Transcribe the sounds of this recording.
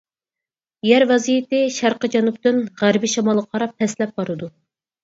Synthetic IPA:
jæɾvɛzijit̪ɪʃæɾqəd͡ʒɛnup̚t̪ynʁæɾbiʃɑmɑlˠqʰɑɾɑp̚t̪ʰːɛslɛp̚bɑɾɨd̪u

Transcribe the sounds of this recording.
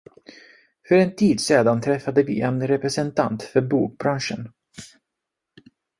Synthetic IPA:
fœɾɛnt̪ʰiːd̪seːd̪ant̪ʰɾɛfːad̪əvɪ̰ːʔɛnɾɛpɾɛsɛnt̪ʰa̰nt̪fœɾbuːk̚bɾanʂə̰n

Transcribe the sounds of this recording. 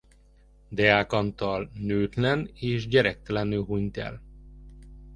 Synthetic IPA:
d̪ɛaːkɒnt̪ɒlnøːt̪lɛneːʃɟɛɾɛk̚t̪ɛlɛnøːɦuɲt̪ɛ̰l

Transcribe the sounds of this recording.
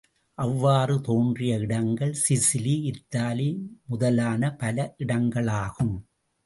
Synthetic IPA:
ʔɐʋːaːrɯt̪oːndrɪjɐɪɽɐŋɡɐɭsɪsɪliɪt̪ːaːlimʊðɐlaːnɐpɐlɐʔɪɽɐŋɡɐɭaːɣɯm

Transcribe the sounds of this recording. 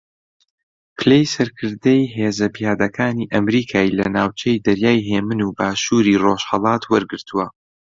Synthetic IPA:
pʰɨlejsɐɾkʰɨɾd̪ejɦeːzɐbjaːd̪ɐkʰaːniːʔɐmɾiːkʰaːilɐnaːwt͡ʃʰejd̪ɐɾjaːjɦeːmɨnuːbaːʃuːɾiːroʃhɐlˠɑːt̪ʰwɐɾɡɨɾt̪ʰuwɐ

